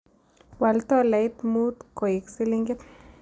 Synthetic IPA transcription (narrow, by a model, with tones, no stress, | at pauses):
wa˨lt̪ɔ˦la˨it̪mu˦t̪ko˨ji˨ksi˦liŋɡi˦t̪